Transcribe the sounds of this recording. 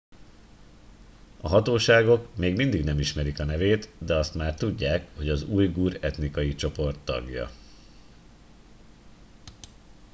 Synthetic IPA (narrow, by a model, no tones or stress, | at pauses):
ɒɦɒt̪oːʃaːɡo̞kmeːɡmind̪iɡnɛmiʃmɛɾikɒnɛveːt̪d̪ɛɒst̪maːrt̪uɟːaːkho̞ɟɒzuːjɡuːɾɛt̪nikɒjit͡ʃo̞po̞rt̪ːɒ̰ɡjɒ̰